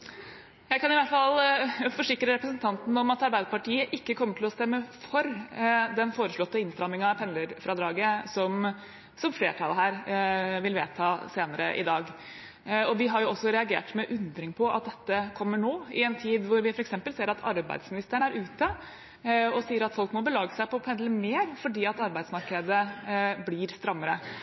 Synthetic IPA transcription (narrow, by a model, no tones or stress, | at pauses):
jæɪkɑnɪʋæʈfɑlfɔʂɪkɾəɾɛpɾəsənt̪ʰɑnt̪n̩ɔmɑt̪ɑɾbæɪd̪əpɑʈiːəʔɪkːəkʰɔmːəʈʰɪlɔst̪ɛmːəfɔɾd̪ɛnfoːɾəʂɭɔt̪ːəɪnst̪ɾɑmɪŋɑpʰɛnləɾfɾɑd̪ɾɑːɡəsɔm | sɔmfleːʈʰɑ̰lɦæːɾʋɪlʋeːt̪ʰɑːseːnəɾə̰ʔɪ̰d̪ɑːɡ | ɔʋɪɦɑɾjʊɔsːɔɾɛɑɡḛːʈmɛʔʉnd̪ɾɪŋpʰɔʔɑt̪̚d̪ɛt̪ːəkʰɔmːəɳoːɪɛnt̪ʰiːd̪ʋʊɾʋɪfɔɾɛksɛmpəlseːɾɑt̪ʰɑ̰ɾbæ̰ɪd̪smɪnɪst̪əɳæɾʉːt̪ə | ɔsiːəɾɑt̪fɔlkmɔbəlɑːɡəsæɪpɔpʰɛnləmeːɾfɔɖiːɑt̪ɑɾbæɪd̪smɑɾkəd̪əblɪɾst̪ɾɑmːəɾə